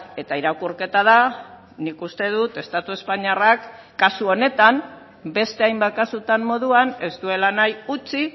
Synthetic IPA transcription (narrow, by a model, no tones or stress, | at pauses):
e̞t̪aiɾakuɾke̞t̪að̞a | nikust̪e̞ð̞ut̪e̞st̪at̪ue̞spaɲarakː | asuo̞ne̞t̪am | be̞st̪e̞ajmbakasut̪amːo̞ðuane̞zt̪ue̞lanajut͡si